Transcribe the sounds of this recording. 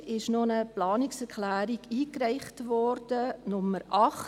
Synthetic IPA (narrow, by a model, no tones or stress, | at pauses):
ɪʃnonəplɑːnɪksɛklæːɾiɡiːkræɪχtʋɔrd̥ənʊmːəɾʔɑχ